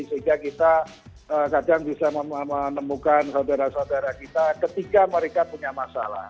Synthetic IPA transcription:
isəiŋɡakit̪a | əkadaŋbisaməmənəmukansaudaɾasaudaɾakit̪akət̪ikaməɾekapuɲamasa̰la̰h

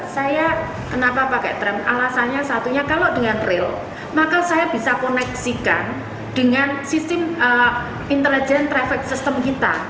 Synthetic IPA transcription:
saja | kənapapakɛ̰t̪ɾɛmʔalasanɲasat̪uɲakalodəŋanrɪl | makasajab̥isakonɛksika̰n | d̥əŋansist̪ɪmə | int̪əlid͡ʒɛnt̪ɾɛfɛk̚sist̪əmkit̪a̰

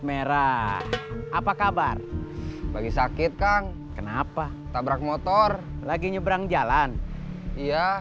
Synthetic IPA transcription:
meɾa | ʔapakabarbaɡisakɪt̪̚kan | kənapa | t̪abɾak̚mɔt̪ɔrlaɡiɲəbəɾaŋd͡ʒalanija

